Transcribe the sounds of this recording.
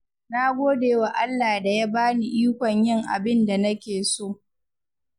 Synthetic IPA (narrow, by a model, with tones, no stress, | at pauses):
na˦ɡʷoː˦deː˨˦wa˨ʔa˦lːaː˨da˨ja˦baː˦ni˨ʔiː˦kʷɔ˨ɲjɪ˦ŋʔa̰˨bɪ˦nda˨nɐ˦kʲeː˨soː˦˨